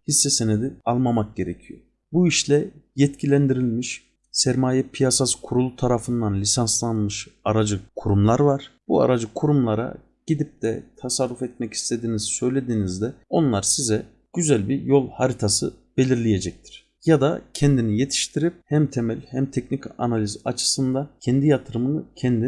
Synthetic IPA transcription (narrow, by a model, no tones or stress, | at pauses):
hisːɛsened̪ialˠmamak̚ɟe̞ɾecʰijo | buiʃlʲɛjɛt̪cʰilʲænd̪iɾilʲmiʃ | sæɾmaːjɛpʰijasaskʰuɾulˠut̪ʰaɾafɯnd̪anlʲisanslˠanmɯʃaɾad͡ʒɯkʰuɾumlˠaɾvaɾ̥b̥ua̰ɾad͡ʒɯkʰuɾumlˠaɾa̰ | ɟ̥id̪ip̚d̪ɛ̰t̪ʰasaɾːufɛt̪̚mɛci̥st̪ʰed̪iːnizsø̞jlʲe̞d̪iːnizd̪ɛo̞nlˠaɾsizɛ | ɟ̥yzælʲbiɾjo̞lˠhaɾit̪ʰasɯb̥e̞lʲiɾlʲije̞d͡ʒɛc̚t̪ʰi̥ɾ̥ | jad̪a̰cʰɛnd̪inije̞t̪ʰi̥ʃt̪ʰiɾip̚hæmt̪ʰemɛlʲhæmt̪ʰɛcnicʰanalʲiza̰t͡ʃʰɯ̥sɯnd̪acʰɛnd̪ijat̪ʰɯɾɯmɯnɯcʰɛnd̪i